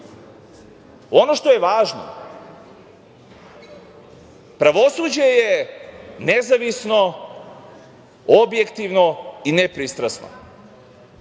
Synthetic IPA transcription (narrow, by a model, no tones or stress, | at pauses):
o̞no̞ʃt̪o̞jeʋaːʒno̰ | pɾaʋo̞suːd͡ʑeje | nezaʋisno̞ | objekt̪iʋnoinepɾist̪ɾasno̰